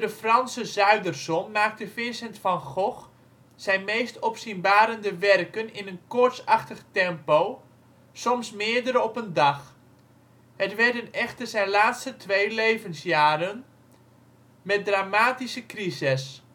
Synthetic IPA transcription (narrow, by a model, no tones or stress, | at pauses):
dəfrɑnsəzœɥdərsɔnmaːk̚təfɪsɛntfɑnχɔχ | sɛjnmejstɔpsinbaːɾəndəʋɛrkənɪnənkʊɹtsɑχtəχtɛmpow | sɔmsmɪːɹdəɾəɔpəndɑχ | hətʋɛrdənɛχtərzɛjnlaːtstətʋejlejvənsjaːɾən | mɛt̚draːmaːtisəkrisɪs